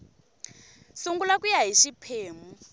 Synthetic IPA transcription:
suŋɡulakujaɦiʃipʰeːmu

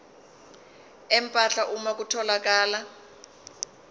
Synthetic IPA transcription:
ɛmpʼaɬaʔumak̬utʰɔlak̬aːla

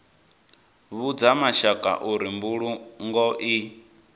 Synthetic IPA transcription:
βud͡zamaʃakʼa̰ʔuɾimbuɺuŋɡɔʔi

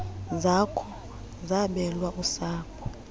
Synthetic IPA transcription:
zakʰɔ | zaɓɛlwaʔusaːkʰɔ

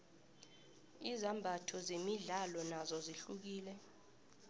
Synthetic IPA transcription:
izambʱatʰɔzemiɮalɔnazɔziɬuk̬iːlɛ

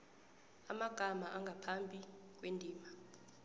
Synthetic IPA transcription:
amaɡ̥ʱamaʔaŋɡʱapʰambʱi | k̬wendʱiːma

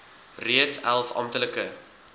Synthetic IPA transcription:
riətsælˠfɑ̰mtələkə

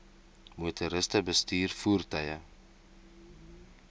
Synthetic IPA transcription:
mutʰuɾəstəbəstiːrfuərtœjə

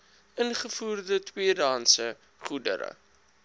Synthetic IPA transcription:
ənχəfuːrdətwiədɑːnsə | χudə̰ɾə̰

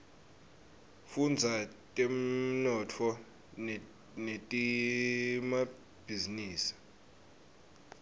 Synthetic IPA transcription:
fund͡zʱatʼim̩nɔtʰɔ | netʼi | ma | b̥ʱiziniːsi̥

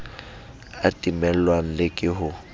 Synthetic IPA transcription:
atʼimɛl̩lwan̩lɪkʼɪɦʊ

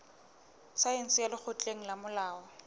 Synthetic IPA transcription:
saen̩sɪjalɪk͡xʰʊt͡ɬʼeŋ̩lamʊlaːɔ

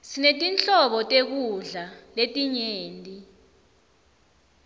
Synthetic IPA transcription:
sinetʼint͡ɬʼɔɓɔtʼek̬uɮaletʼiɲeːntʼi

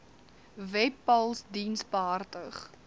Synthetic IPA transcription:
vɛpːɐlˠsdinsbəɦɐrtəχ

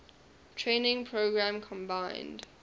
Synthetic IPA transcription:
tʰɹẽːnɪ̃ŋpʰɹoʊɡɹãmkʰɔ̃mbãɪnd̥

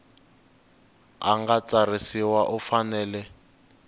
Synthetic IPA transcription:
aŋɡat͡sarisiwaʔufanɛːlɛ

